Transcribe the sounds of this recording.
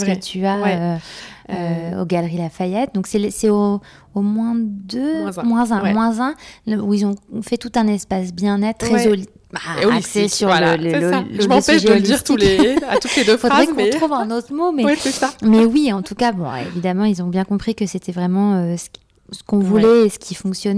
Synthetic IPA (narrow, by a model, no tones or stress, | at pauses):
ət̪ʰya | øo̰ɡalʁilafajɛt̪̚d̪ɔ̃ksɛlsɛo | omwɛ̃d̪ø̃mwɛ̃zɛ̃mwɛ̃zɛ̃uilzɔ̃fɛt̪ut̪ɛ̃nɛspasbjɛ̃nɛt̪χezol | aoksɛsyʁlələaʒəmsɛʃʒɛd̪iʁt̪uet̪ut̪led̪øffod̪ʁɛkɔɔtχuvɛ̃not̪χəmomɛɛsɛsamɛwiɑ̃t̪ukabɔ̃ḛvid̪amɑ̃ilzɔ̃bjɛ̃kɔ̃pχikəset̪ɛvʁɛmɑ̃øsə̥k | sə̥kɔ̃vulɛesə̥kʲʰifɔ̃ksjɔn